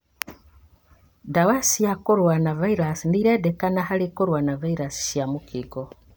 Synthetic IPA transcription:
dawasijakoɾwanavaiɾasiniɾɛdɛkanahalikoɾwanavaiɾasi̥ʃjamukiɡo

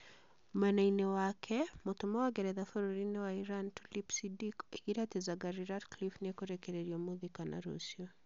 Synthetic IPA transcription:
manainewakʰɛmotomawaɡɛɾɛðafoɾoɾinewaiɾantulipsidikeɡiɾatezaɡaɾiɾadklifnekoɾɛkɛɾeɾjomoðikana̰ɾo̰siɔ

